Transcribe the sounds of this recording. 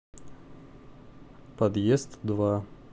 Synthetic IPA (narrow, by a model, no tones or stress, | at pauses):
pɐd̪jest̪d̪va